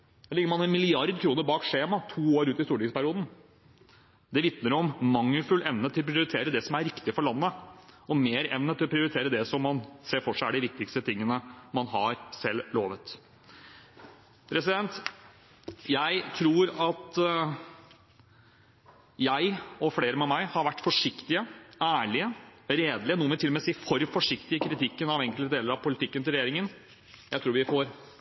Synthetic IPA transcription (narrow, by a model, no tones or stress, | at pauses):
lɪɡːəɾmɑnɛnmɪlɪɑɾd̪kʰɾuːnəɾbɑːkʂeːmɑt̪ʰuːoːɾʉːt̪ɪst̪uːɖɪŋspæɾɪuːd̪n̩ | d̪ɛʋɪt̪nəɾɔmmɑŋːəfʉlːʔɛʋnət̪ʰɪlɔpʰɾɪʊɾɪt̪ʰeːɾəd̪ɛsɔmæɾɪkt̪ɪfɔɭɑnːəʔɔmeːɾɛʋnət̪ʰːɪlɔpʰɾɪʊɾɪt̪ʰeːɾəd̪ɛsɔmːɑnseːɾfɔʂæɪæɖɪʋɪk̚t̪ɪkst̪ət̪ʰɪŋːənəmɑnɦɑɾsɛlːloːʋət̪ | pʰɾɛsɪd̪ɛnt̪ | jæɪt̪ʰɾuːɾɑt̪ | jæɪɔfleːɾəmɛmæɪhɑɾʋæʈːfɔʂɪkt̪ɪəæːɭɪəɾeːd̪lɪənuːəmɛt̪ʰɪlːɔmɛsiːfɔɾfɔʂɪkt̪ɪəkʰɾɪt̪ʰɪkːənɑʋɛŋkəlt̪əd̪eːləɾɑʋpʰʊlɪt̪ʰɪkːənt̪ʰɪlɾɛjeːɾɪŋən | jæɪt̪ʰɾuːɾʋɪfɔɾ